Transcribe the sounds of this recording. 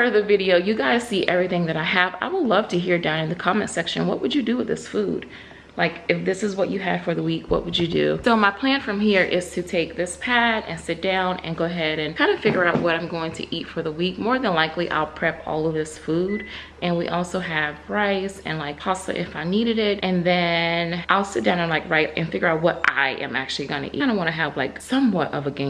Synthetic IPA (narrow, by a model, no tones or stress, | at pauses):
ʌðɨvɪɾioʊjɨɡɑɾɨsiʔɛvɹiθɪ̃ŋðɨɾaɪɨva̰ɪwədˡlʌv̥tʰɨɦiɹdãʊ̃nɨ̃nðɨkʰɑmɨ̃ntsɛkʃɨ̰̃nwʌ̰ʔ̚wɨd͡ʒɨdɨwɨðɪ̰sfud̥ | laɪkɨfðɪsɨzwʌt͡ʃɨɨd̥fə˞ðəwikwʌ̰ʔ̚wɨd͡ʒɨdʉ̰soʊmaɪpʰl̥æ̃nfɹʌ̃mɦiɹʔɪz̥tʰɨtʰeɪk̚ðɪspʰæɾɨ̰̃nsɪt̚d̥ãʊ̃nɨ̰̃nɡoʊɨɦɛɾɨ̃nkʰãɪ̃ndɨfɪɡjə˞aʊt̚wʌɾãɪ̃mɡoʊɪ̃ŋtʰɨ̰ʔitfə˞ðəwik̚mɔɹðə̃nlaɪkliʔa̰ɪlˠpʰɹ̥ɛpɔ̰lˠʌvðɪsfud | ɨ̃nwiʔɔlˠsoʊɨv̥ʰɹaɪsɨ̰̃nlaɪkhɑsɨ̰ʔɪfaɪniɾɨɾɪt̚ʔɨ̃nðɨ̃nʔaɪlˠsɪt̚dãʊ̃nɨ̃nlaɪkɹaɪt̚ɨ̰̃nfɪɡjə˞aʊt̚wʌɾʔa̰ɪʔɨ̰̃mæ̰k̚t͡ʃʉl̩ˠiɡʌ̃nɨ̰ʔĩɪ̃ndəwɑ̃ñɨəvlaɪksʌ̃mwʌɾʔʌvɨɡẽɪ̃